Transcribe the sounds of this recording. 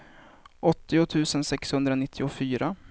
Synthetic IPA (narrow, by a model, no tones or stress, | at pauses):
ʔɔt̪ːɪʊt̪ʰʉ̟ːsənsɛkshɵnd̪ɾanɪt̪ʰːɪʊfyːɾa